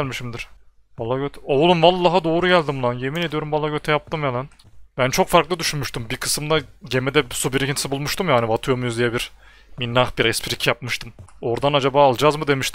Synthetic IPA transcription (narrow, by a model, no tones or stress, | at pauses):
lʲmiʃimd̪iɾ̥ | valˠːaːɡøt̪ʰoulˠumvalˠːaɦad̪o̞ːɾuɟælʲd̪imulˠanje̞mined̪io̞ɾumvalˠːaɟøt̪ʰɛjap̚t̪ʰɯmjelʲˠan | bænt͡ʃʰo̞kfaɾklˠɯd̪yʃynmyʃt̪ʰymbikʰɯ̥sɯmd̪aɟe̞med̪ɛsubiɾicʰinsibulˠmuʃt̪ʰɯmjaːnivat̪ʰujomujuzd̪ijɛbiɾ | minːaxbiɾɛspʰiɾicʰjap̚mɯʃt̪ʰɯmo̞ɾd̪anad͡ʒabaːlˠd͡ʒazmɯd̪e̞miʃt̪ʰim